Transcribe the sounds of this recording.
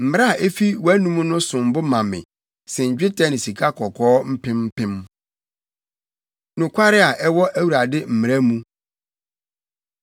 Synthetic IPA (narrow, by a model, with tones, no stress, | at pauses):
m̩˨mɪ̃˨˦a˦a˨ʔe˦fi˦wɔ˨æ˦nũ˦mũ˦nʊ̃˦sʊ̃˨m̩˨bʊ˦mã˨mɪ̰̃˨ | sɛ˨ɲ̩˨d͡ʑᶣɪ˦tʰa˦nɪ̃˨si˨kʰa˦kʰɔ˨kʰɔː˦m̩˦pʰɪ̃˦m̩˦pʰɪ̃˦m | nʊ̃˨kʷʰa˦ɾɪ˦a˨ʔɛ˦wɔ˦ʔæ˦wu˨ɾa˨dɪ˦m̩˨mɪ˨ɾa˦mũ˦